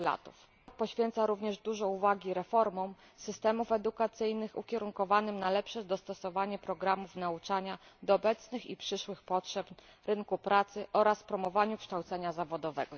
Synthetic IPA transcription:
la̰t̪ṵf | pɔɕfʲjɛnt̪saɾuvɲɛʐd̪uʐɔuvaɡʲiɾɛfɔɾmɔw | sɘst̪ɛmufɛd̪ukat̪sɘjnɘxṵkʲɛɾuŋkɔvanɘmnalɛpʂɛd̪ɔst̪ɔsɔvaɲɛpɾɔɡɾamufnaut͡ʂaɲad̪ɔːbɛt̪snɘxḭpʂɘʂwɘxpɔtʂɛpɾɘŋkupɾat̪sɘʔɔɾasfpɾɔmɔvaɲukʂt̪awt̪sɛɲazavɔd̪ɔvɛ̰ɡɔ

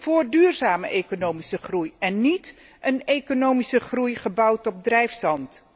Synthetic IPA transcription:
v̥ʊːrdyːrzaːməʔejkonowmisəχrujɛnːit | ʔənejkonowmisəχrujχəbʌwtɔb̚drɛjfsɑnt

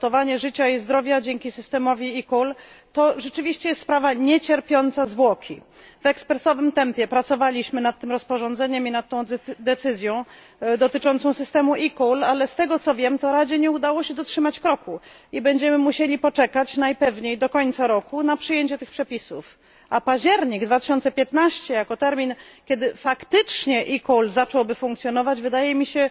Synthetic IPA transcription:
t̪ɔvaɲɛʐɘt͡ɕaizd̪ɾɔvʲjad͡ʑɛŋkʲisɘst̪ɛmɔvʲiikɔl | t̪ɔʐɛt͡ʂɘvʲiɕt͡ɕɛjɛst̪spɾavaɲɛt͡ɕɛɾpʲjɔnt̪sazvwɔkʲḭ | vɛkspɾɛsɔvɘmt̪ɛmpʲjɛpɾat̪sɔvalʲiɕmɘnat̪ːɘmɾɔspɔʐɔnd̪zɛɲɛminat̪ːɔ̃w̃d̪ɛt̪sɘzʲjɔ̃w̃ | d̪ɔt̪ɘt͡ʂɔnt̪sɔ̃sɘst̪ɛmuʔikulalɛst̪ɛɡɔt̪sɔvʲjɛmt̪ɔɾad͡ʑɛɲɛud̪awɔɕɛd̪ɔtʂɘmat͡ɕkɾɔkuibɛɲd͡ʑɛmɘmuɕelʲipɔt͡ʂɛkat͡ɕnajpɛvɲejd̪ɔkɔɲt̪saɾɔkunapʂɨjeɲt͡ɕɛt̪ɘxpʂɛpʲisuf | ʔapaʑd͡ʑd͡ʑɛɾɲiɡd̪vat̪ɘɕɔnt̪sɛpʲjɛt̪naɕt͡ɕɛjakɔt̪ɛɾmʲinkʲjɛd̪ɘfakt̪ɘt͡ʂɲɛʔikɔwlzat͡ʂɔwbɘfũŋkt̪sʲjɔnɔvad͡ʑvɘd̪ajɛmʲiɕɛ

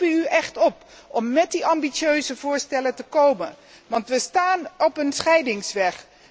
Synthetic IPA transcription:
əyɛχtɔp | ɔmːɛt̚diʔɑmbit͡ʃøɥzəvʊːɹstɛlətəkowmən | ʋɑntʋəstaːnɔpənsχɛjdɪŋsʋɛχ

